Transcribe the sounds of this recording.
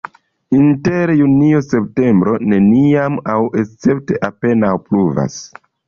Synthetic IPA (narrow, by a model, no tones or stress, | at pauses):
inteɾjuniose̞p̚te̞mbɾo̞ne̞niamawe̞t͡se̞p̚te̞ʔape̞nawpluva̰s